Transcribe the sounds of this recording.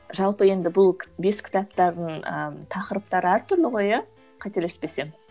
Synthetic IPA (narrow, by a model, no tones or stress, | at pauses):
ʒɑlˠpəje̞nd̪ɪbʊlˠbe̞skʲɪ̥t̪ɑp̚t̪ɑɾd̪ənə̰t̪ʰɑqəɾəp̚t̪ɑɾəæɾt̪ʰʏɾlɪʁo̞jə | qʰɑt̪elespe̞se̞m